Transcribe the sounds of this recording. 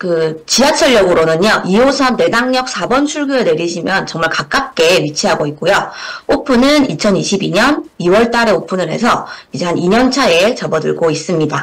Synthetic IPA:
kɯt͡ɕiɦat͡ɕʰʌɭjʌɡɯɾonɯɲoʔiosʰʌne̞daŋɲʌk̚s͈ʰabʌnt͡ɕʰuɭɡuene̞ɾiɕʰimjʌnt͡ɕʌŋmaɭkak͈ap̚k͈e̞ɥit͡ɕʰiɦaɡoik̚k͈ojoopʰɯnɯnit͡ɕʰʌniɕʰibiɲʌniwʌɭt͈aɾe̞opʰunɯɾɦe̞̰sʰʌid͡ʑe̞haniɲʌnt͡ɕʰae̞t͡ɕʌbʌdɯ̰ɭɡois͈ɯmɲida

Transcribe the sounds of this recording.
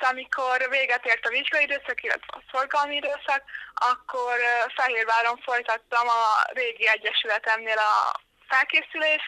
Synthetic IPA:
ɒmikʰo̞rveːɡɛt̪eːrt̪ɒviʒɡɒid̪øːsɒkilːɛ̰t̪ʋɛ̰ɒ̰so̞rɡɒlmiid̪øːsɒkɒkːo̞rfɛɦeːrʋaːɾo̞ɱfo̞jt̪ɒt̪ːɒmɒreːɡiɛɟːɛʃylɛt̪ɛmneːlɒ̰ | fɛlkeːsyleːʃ

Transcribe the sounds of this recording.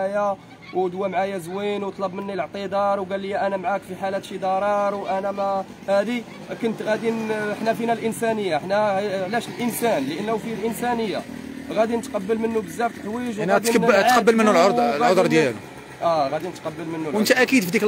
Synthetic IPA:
aja | wd̪wæmʕajæzwinwt̪ˤlɑbmənːiləʕt̪ˤid̪ˤɑɾˤwɡælːəjːæʔænæmʕakfiħalæt̪ʃid̪ɑɾˤɑɾˤwʔænæmæ | hæd̪i | kənt̪ɣæd̪inəħnæfinælʔənsænəjːaəħnæʕlæʃəlʔənsænləʔənlæwfilʔənsænəjːa | ɣæd̪inət̪qɑbːəlmənːubəzːæft̪ħwiʒnæd̪itt̪qɑbːəlmənːullʕod̪ɾd̪jælu | ʔæɣæd̪inət̪qɑbːəlmənːuwʔənt̪æʔækid̪fid̪ik

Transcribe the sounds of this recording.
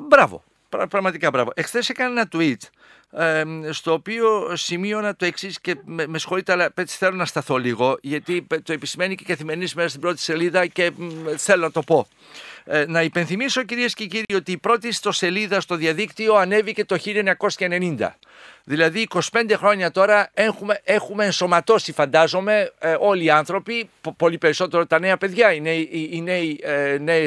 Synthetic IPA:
bɾɐvo̞̰ | pɾɐpɾɐɣmɐt̪ikɐbɾɐ̰vo̞̰ʔekθe̞sekɐnenɐt̪uit̪ | st̪o̞ːpio̞simio̞nɐt̪o̞e̞ksisce̞mme̞sxo̞lit̪eɐlɐpet͡si̥θe̞lo̞nɐst̪ɐθo̞liɣo̞ʝɐt̪it̪oe̞pisime̞nicekɐθime̞ɾinizmesɐst̪ibɾo̞t̪i̥se̞liðɐce̞θe̞lonɐt̪o̞po̞ | nɐipe̞nθimiso̞ciɾiesceciɾio̞t̪iːpɾo̞t̪ist̪o̞se̞liðɐst̪o̞ðiɐðikt̪io̞ɐne̞vice̞t̪o̞çilioeɲɐko̞skɐene̞nind̪ɐ̰ | ðilɐðiːko̞si̥pe̞nd̪e̞xɾo̞ɲɐt̪o̞ɾɐexumeexume̞ːnso̞mɐt̪o̞sifɐnd̪ɐzo̞me̞o̞liːɐnθɾo̞pipo̞lipe̞ɾiso̞t̪e̞ɾo̞t̪ɐne̞ɐpe̞ðʝɐineiineine

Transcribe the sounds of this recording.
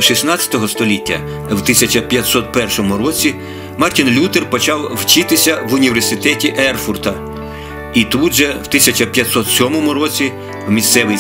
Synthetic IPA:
ʃisnɑt͡sʲɐ̥t̪ɔɦɔst̪ɔlʲitʲːɐ̰ | wt̪ɪsʲɐt͡ʃɐpʲjɐt̪sɔt̪pɛrʃɔmʊɾɔt͡sʲi | mɑrtʲinlʲut̪erpɔt͡ʃɑwwt͡ʃɪt̪ɪsʲɐʋʊnʲiʋʲersʲɪt̪ɛtʲiʔɛrfurt̪ɐ | it̪ud̪ʒɛwt̪ɪsʲɐt͡ʃɐpʲjɐt̪sɔt̪sʲɔmɔmʊɾɔt͡sʲi | wmʲist̪sɛʋɪ

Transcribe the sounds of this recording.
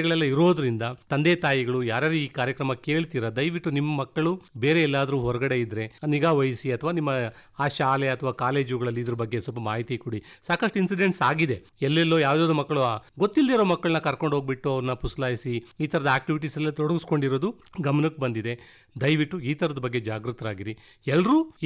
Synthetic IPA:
ɡɐɭɛlːɐiɾo̞ːd̪ɐɾind̪ɐt̪ɐnd̪eːt̪aːjiɡɐɭujaːɾaːɾiiːkaːɾjɐkɾɐmɐke̞ːɭt̪iːɾɐd̪ɐjʋiʈːunimːɐmɐkːɐɭube̞ːɾe̞ɛlːaːd̪ɐɾuːɦɔɾɐɡɐɽe̞id̪ɾe̞niɡaːʋɐjsiɐt̪ʰɐʋaːnimːɐaːʃaːleɐt̪ʰɐʋaːkaːle̞ːd͡ʒuɡɐɭɐlːiːd̪ɐɾɐbɐɡːesɔlp̬ɐmaːɦit̪ikuɽisaːkɐʂʈinsiɖe̞ɳʈsaːɡid̪e̞ | ɛlːɛlːo̞ːjaːʋd̪aːd̪umɐkːɐɭuaɡot̪ːilːeɾoːmɐkːɐɭɐnɐkɐɾko̞ɳɖɦo̞ːɡbiʈːuɐʋɐɾɐnɐpuslaːjisiiːt̪ʰɐɾɐd̪ɐaːk̚ʈiʋiʈ̬iːsɐlːɐt̪ɔɽɐɡusko̞ɳɖiɾo̞ːd̪u | ɡɐmɐnɐkːbɐnd̪id̪e̞ | d̪ɐjʋiʈːuiːt̪ʰɐɾɐd̪ɐbɐɡːe̞d͡ʒaːɡɾut̪ɐɾaːɡiɾi | ɛlːɾuː

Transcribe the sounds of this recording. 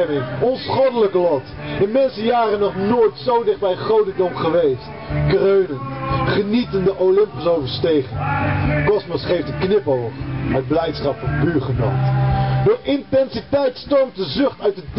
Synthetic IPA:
mɪŋɔnsχɔdələklɑt | dənmɛnsəjaːrənɔχnoːjtsowdɪχ̚bɛjχowdədɔmχəʋejst | krøɥnəntχənitəndəʔowlɪmpɪsowvəɹstejχɪŋkɔsmɔsχejftətknɪpolpɦət̚blɛjtsχɑpfɔnpyːɹχəno̰wtdʊːɹʔɪntɛnsitɛjtstowmt̚dəzɵχtœɥt̚ə

